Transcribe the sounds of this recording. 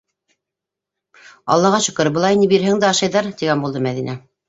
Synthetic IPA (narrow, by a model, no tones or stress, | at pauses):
ɑ̰lˠːɑʁɑʃɤ̆kɤ̆ɾɤbɤ̆lˠɑjnibiɾɦæŋd̪æɑʃɑjðɑɾt̪iɡænbulˠd̪ɤmæðinæ